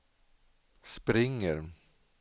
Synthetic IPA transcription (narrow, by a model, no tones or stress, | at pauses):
spɾɪŋːəɾ